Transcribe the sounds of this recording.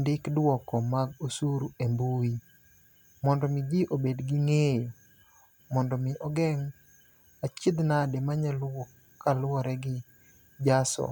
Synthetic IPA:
ndɪkdwɔkɔmaɡosuɾuembui | mɔndɔmɪd͡ʒɪʔobedɡɪŋejo | mɔndɔmɪʔɔɡɛŋ | at͡ʃɪd̪nademaɲalɔ | kalwɔɾɛɡɪ | d͡ʒasɔ̰

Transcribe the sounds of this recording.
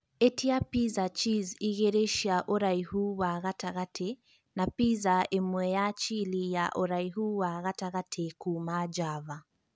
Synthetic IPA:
etiapizat͡ʃiziɣɛɾeʃiaʔɔɾaihuwaɣataɣatʰɛ | napizaemwɛjat͡ʃilijaʔɔɾaiɦuwaɣataɣatʰɛkumad͡ʒava

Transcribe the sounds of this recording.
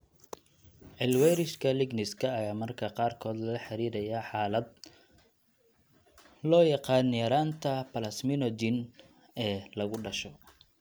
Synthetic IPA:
ʕɪlwɛjɾɪʃkʰɐlɪɡnɪskʰɐːjaːmɐrkʰɐqɑːrkʰɔːd̪lɐlɐħɑɾiːdɐjaːħɑːlɐd̪̚ | lɔːjɑqɑːnjɐɾaːnt̪ʰɐpɐlɐsmɪnɔd̪ɪn | ɛːlɐɣʊɖɐʃɔ

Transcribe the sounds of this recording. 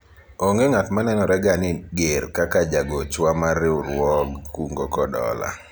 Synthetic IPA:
oŋɡeŋatmanɛnɔɾɛɡanɪɡerkakad͡ʒaɡot͡ʃwamaɾɪʊɾwɔɡkuŋɡokɔdɔ̰la̰

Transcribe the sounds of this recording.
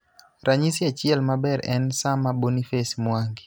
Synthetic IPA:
ɾʔaɲisiat͡ʃɪɛlmabɛɾɛnsamabonifesmwaŋɡi

